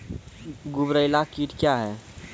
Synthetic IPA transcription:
ɡʊbɾəɪlakiːʈkjaɦɛː

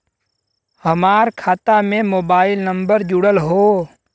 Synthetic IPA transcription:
həmaːɾkʰaːt̪amẽmoːbaːɪlnə̃mbəɾd͡ʒʊɽəlɦoː

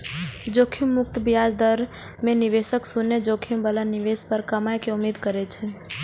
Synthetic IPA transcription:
d͡ʒokʰimːʊk̚t̪əbijad͡ʒd̪əɾ | meniʋesəksunːəd͡ʒokʰimbəlaniʋespəɾkəmajkeumed̪kəɾɛt͡ʃʰɛ

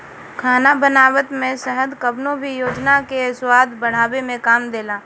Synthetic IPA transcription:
kʰaːnabənaːwət̪mẽsəɦəd̪kəbnõbʱijoːd͡ʒnakeswaːd̪bɐɽ̤aːwemẽkaːmd̪eːlaː

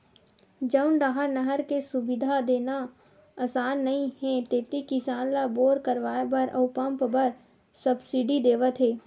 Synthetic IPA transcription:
d͡ʒəʊnɖaːɦəɾnəɦəɾkesʊbɪd̪ʱad̪eːna | aːsaːnːɐɦĩɦɛ̃t̪eːt̪ikɪsaːnlaboːɾkəɾʋaːebɐɾʔɐ̰ʊpə̃mpbɐɾ | səbsiɖid̪eːʋət̪ɦeː

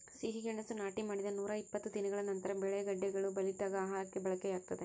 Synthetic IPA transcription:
siɦiɡɐɳɐsunaːʈimaːɽid̪ɐnuːɾaipːɐt̪ːud̪inɐɡɐɭɐnɐnt̪ɐɾɐbɛɭɛɐɡɐɖːɛɡɐɭubɐliʈːaːɡɐaːɦaːɾɐkːebɐɭɐkːejaːɡ̚t̪ɐd̪e

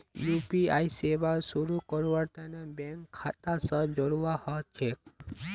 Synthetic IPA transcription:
jupiajsebasuɾukɔɾuwaɾt̪anabɛŋkʰːat̪asɔd͡ʒɔɽuwahɔt͡ʃʰek̚

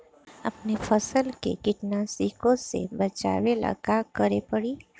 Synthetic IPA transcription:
ɐ̰pnefʰəsəlkḛkɪʈnasiːkõsḛbɐt͡ʃa̰ːwela̰kakəɾepəɽiː

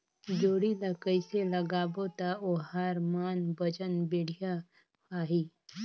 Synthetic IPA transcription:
d͡ʒoːɽilakəɪseləɡaːbot̪aohaɾmaːnbəd͡ʒənbeːɽ̤ija | aːɦiː

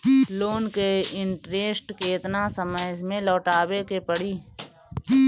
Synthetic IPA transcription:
loːnkeɪ̃ɳʈɾeːsʈkeːt̪nasəməɪzmẽlɔːʈaːbekepəɽiː

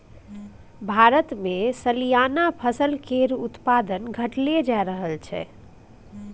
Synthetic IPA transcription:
bʱaɾət̪mesəlijanapʰəsəlkeɾut̪pad̪ənɡʱəʈled͡ʒaɾəɦəlt͡ʃʰɛ̰

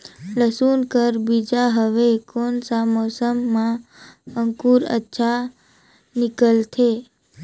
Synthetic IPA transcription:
ləsunkəɾbid͡ʒaɦəʋekonsamosəmːãəŋkuɾə̰tːʃʰa | nɪkəlt̪ʰe

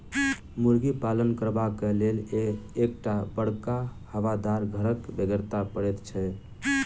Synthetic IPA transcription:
muɾɡipalənkəɾbakeleleːkʈabəɽkahəʋad̪aɾɡʱəɾəkbeɡəɾt̪apəɽɛt̪t͡ʃʰɛ

